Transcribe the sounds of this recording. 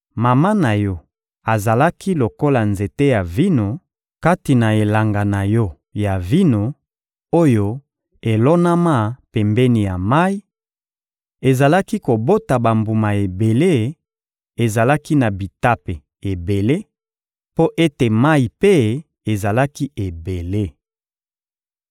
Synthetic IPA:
ma˨ma˦na˨jɔ˦ | a˨za˨la˦kʰi˦lo˨ko˦la˨nze˨te˦ja˨vi˦no˨ | ka˦ti˨na˨e˨la˨ŋɡa˨na˨jɔ˦ | ja˨vi˦no˨ | o˦jo˦ | e˨lɔ˦na˦ma˦pɛ˨mbɛ˦ni˨ja˨ma˦i˦ | e˨za˨la˦ki˦ko˨bo˦ta˨ba˨mbu˨ma˨e˨be˨le˦ | e˨za˨la˦ki˦na˨bi˨ta˦pe˨ | e˨be˨le˦ | po˦ʔe˦te˨ma˦i˨pe˦ | e˨za˨la˦ki˦e˨be˨le˦

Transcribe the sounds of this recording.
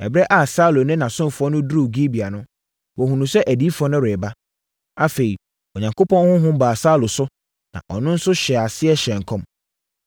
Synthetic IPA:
ɛ˨bɾɛ˦ʔa˦˨sa˦lʊ˨nɪ̃˦nã˨sʊ̃˦m˨fʊ˨ɔ˦nʊ̃˦dɾu˦˨ɡi˦bi˨a˨nʊ̃˦ | wʔɔ˨ɦũ˨nũ˨sɛ˦ʔæ˨di˦fɔ˦nʊ̃˦ɾe˨ba˦ | a˦fe˨i˨ | o˨ɲã˨ŋkʰo˦pʰɔ̃˦nhʊ̃˦ɦʊ̃˦baː˨sa˦lʊ˨sʊ˦ | nã̰˨ʔɔ˨nʊ̃˦n̩˦sʊ˦ɕɛ˨a˨sɪ˦ɛ˦ɕɛ̃˨ŋ˨kʰɔ̃˦m

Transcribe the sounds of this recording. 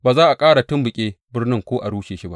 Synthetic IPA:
baː˨zaː˦ʔa˨kʼaː˦ɽa˨tʊ˦mbʊ˨kʲʼeː˦bɪ˦rnɪ˦ŋkʷoː˦ʔa˨ɽuː˦ʃeː˨ʃi˦ba̰˦ʔ

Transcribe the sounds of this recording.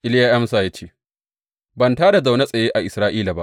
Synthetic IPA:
ʔɪ˦ljaː˦ʔɐ˦msa˨ja˦t͡ʃeː˦˨ | bɐ˨ntaː˦da˨za˨wna˦sʼɐ˨jeː˦ʔa˨ʔɪ˨sɾaː˦ʔiː˦la˨ba˦ʔ

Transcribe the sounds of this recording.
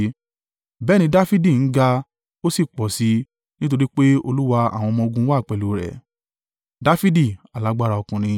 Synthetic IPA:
bɛː˦ñĩ˧˦da˦fi˦di˦˨n̩˨˦ɡa˧ | o˦si˦˨k͡pɔ˨si˨˦ | nĩ˦t̬o˧ɾi˦k͡pe˦o˧lu˦wa˧a̰˨w̃ɔ̃˧mɔ̃˧o˧ɡũ˧˦waː˦˨k͡pɛ˨lu˨˦ɾɛ̰˨ | da˦fi˦di˦˨a˨la˨˦ɡ͡ba˦ɾa˧ɔ˧kũ˨nĩ˧

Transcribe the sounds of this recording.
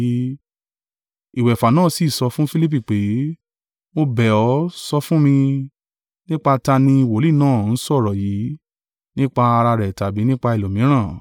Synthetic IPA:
i˨wɛ˨fa˨nãː˦˨si˨sɔ˧˦fũ˦fi˦li˦p̬i˦˨k͡pe˨˦ | mo˧bɛ˨ɔ˨˦sɔ˧fũ˦mĩ˧ | nĩ˦k͡pa˧ta˧nĩ˧˨wo˨˦li˦˨nãː˦˨n̩˨˦sɔ˦˨ɾɔ˨ji˨˦ | nĩ˦k͡pa˧a˧ɾa˧ɾɛ˨ta˨bi˨˦nĩ˦k͡pa˧i˨lo˨mĩ˨˦ɾ̃ã˦˨

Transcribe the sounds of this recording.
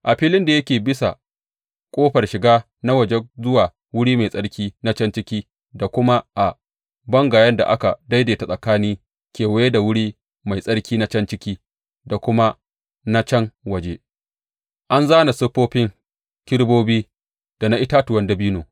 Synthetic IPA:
ʔa˨ɸiː˦lɪ˦nda˨jɐ˦kʲeː˨bɪ˦sa̰˨ | kʷʼoː˦ɸɐ˨rʃɪ˨ɡaː˦ | na˦wɐ˨d͡ʒe˦zʊ˦waː˨ | wʊ˦ɽiː˦ma˨jsʼɐ˦ɽkʲiː˦na˦t͡ʃɐ˦nt͡ʃɪ˦kʲiː˦ | da˨kʷʊ˦ma˦ʔa˨ | bɐ˦ŋɡaː˨jɐ˦nda̰˨ʔa˦ka̰˨da˦jdeː˨ta˨sʼɐ˨kaː˦niː˦ | kʲeː˨wɐ˦je˦da˨wʊ˦ɽiː˦ | ma˨jsʼɐ˦ɽkʲiː˦na˦t͡ʃɐ˦nt͡ʃɪ˦kʲiː˦ | da˨kʷʊ˦ma˦ | na˦t͡ʃɛ˦ŋwɐ˨d͡ʒe˦ | ʔa˦nzaː˦na˨sʊ˦ɸoː˦ɸɪ˦ŋ | kʲɪ˦ɽboː˦biː˦ | d̥a˨na˦ʔɪ˦taː˦tʊ˨wɐ˦ndɐ˦biː˦noː˨

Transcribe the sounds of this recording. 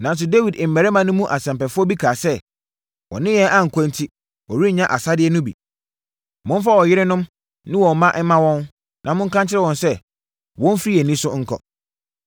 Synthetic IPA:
nã˨n˦s̬ʊ˨de˦wi˨dɪ˨m̩˨æ˨ɾɛ˦mã˨nʊ̃˦mũ˦ʔa˨sɛ̃˨mpɛ˨fʊ˦ɔ˦bi˦kʰaː˨sɛ˦ | wɔ̰˨nɪ̃˦jɛ˦ʔa˦ŋ̩˨kʰɔ̃˦ntʰi˦ | wɔ˨wi˦˨ɲã˦ʔa˨sa˦dɪ˦ɛ˦nʊ̃˦bḭ˨ | mʊ̃˦n˦fa˦wɔ˨jɪ˦ɾɪ˦nʊ̃˦m | nɪ̃˦wɔ̃˨mã˦ʔɛ˦mã˦wɔ̃˦n | nʔã̰˨mʊ̃˦ŋ̩˦kã˦ɲt͡ɕʰɪ˦ɾɛ˦wɔ̃˨nsɛ˦ | wɔ̃˦n˦fi˦ɾi˦æ˨nĩ˦sʊ˦ŋ̩˦kʰɔ̰˨

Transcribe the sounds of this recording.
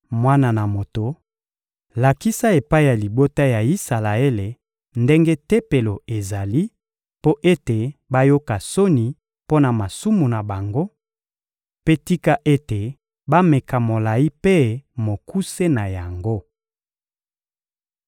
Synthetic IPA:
mwa˦na˨na˨mo˨to˨ | la˨ki˦sa˦e˨pa˦i˦ja˨li˨bo˦ta˦ja˨i˦sa˨la˨e˦le˨ | nde˦ŋɡe˦te˦pe˨lo˨e˨za˨li˦ | po˦ʔe˦te˨ba˦jo˦ka˨so˦ni˨ | po˦na˨ma˨su˦mu˨na˨ba˨ŋɡo˦ | pe˦ti˦ka˦ʔe˦te˨ | ba˦me˨ka˨mo˨la˨i˦pe˦mo˨ku˦se˦na˨ja˨ŋɡo˦

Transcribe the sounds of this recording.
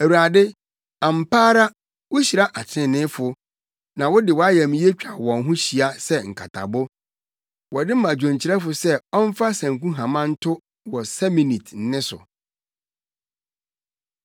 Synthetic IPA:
æ˨wu˨ɾa˨dɪ˦ | ã˨m̩˨paː˦ɾa˦ | wʊ˦ɕi˨ɾa˦ʔa˨t͡ɕʰɪ̃˦˨nɪ̃˦fʊ˨ | nã˨wʊ˦dɪ˨wɔ˨˦a˦jɛ˨mĩ˨˦je˦t͡ɕᶣa˨wɔ̃˨nɦʊ̃˦ɕi˨a˦sɛ˦ŋ̩˨kʰa˨tʰa̰˨bʊ˦ | wɔ˨dɪ˦mã˨d͡ʑᶣõ˨ɲt͡ɕʰɪ˨ɾɛ˦fʊ˨sɛ˦ɔ˦m̩˦fa˦sæ̃˨ŋkũ˦ɦã˨mã˦n̩˦tʰʊ˦ | wɔ˨sɛ˦mĩ˨ni˨tʰn̩˨nɪ̃˦sʊ̰˨

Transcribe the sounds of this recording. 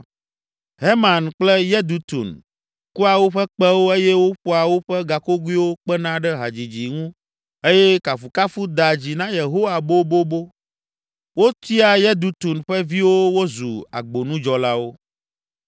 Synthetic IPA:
ɦe˦mã˨nk͡plɛ˦jɛ˦d̪u˨t̪ṵ˨n | ku˦a˨wo˦ɸɛ˦k͡pɛ˦wo˦e˦jɛ˦wo˦ɸo˦a˨wo˦ɸɛ˦ɡa˨ko˦ɡu˦i˦wo˦k͡pɛ˦nã˦ɖɛ˦ɦa˨d͡ʑi˨d͡ʑi˨ŋũ˦ | e˦jɛ˦ka˨fu˨ka˦fu˦d̪a˨d͡ʑi˨nã˦je˨ɦo˦wa˨bo˦bo˦bo˦ | wo˦t̪i˦a˦˨jɛ˦d̪u˨˦t̪u˨nɸɛ˦vi˦wo˦wo˦zu˨a̰˨ɡ͡bo˨nũ˦d͡ʒɔ˨la˦wo˦

